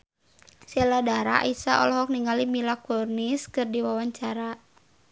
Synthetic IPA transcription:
sɛladaɾa̰ʔisaʔɔ̰lɔɦɔk̚niŋalimilakɔrniskɨrdiwawaɲt͡ʃaɾa

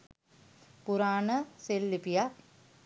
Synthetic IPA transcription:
puɾaːnəselːipija

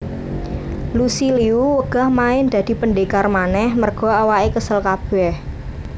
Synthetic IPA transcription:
lusiliuwəɡ̥a̤hmaɪnd̪̥a̤d̪̥i̤pəɳɖekarmanɛhmərɡ̥ɔ̤awaʔekəsəlkab̥ɛh

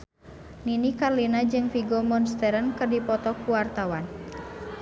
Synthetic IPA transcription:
ninikarlinad͡ʒɨŋfiɡɔmɔnst̪ɛɾənkɨrdipɔt̪ɔkuwart̪awan

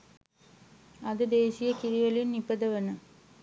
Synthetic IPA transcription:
ɐðɯd̪eːsɪjɐkɪɾɪʋɐlɪnnɪpːɐðɐʋɐnɯ

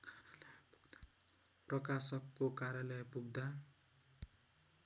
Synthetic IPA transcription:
prʌkasʌkːokaɾjʌlʌjpuɡd̪a

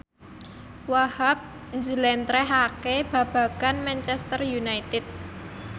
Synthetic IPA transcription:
wahap̚ | ɲd͡ʒəlɛnt̪ɾɛɦakeb̥ä̤b̥ä̤kanmɛnt͡ʃɛst̪ərjunait̪ɪt̪̚

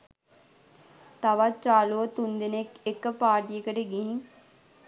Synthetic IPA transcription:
t̪aʋat͡ʃaːloːt̪und̪enekɪkːpaːʈiːekəɖeɡĩ

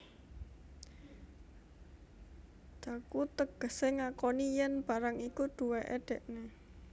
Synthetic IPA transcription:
d̪̥akut̪əɡ̥ə̤seŋakonijɛnb̥a̤ɾaŋikuɖ̪̥ṳweʔeɖ̥ɛ̤ʔne

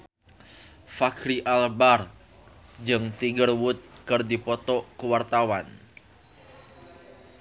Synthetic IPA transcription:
fakɾiʔalbar | d͡ʒɨŋt̪iɡərwʊt̪̚kərdipɔt̪ɔkuwart̪awan

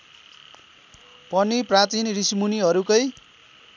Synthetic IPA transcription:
pʌniprat̪inrismuniɦʌɾukʌj

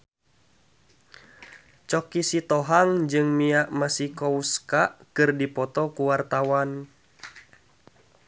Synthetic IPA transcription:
t͡ʃɔkisit̪ɔɦaŋd͡ʒɨŋmiaʔmasikɔuskaʔkɨrdipɔt̪ɔkuwart̪awan

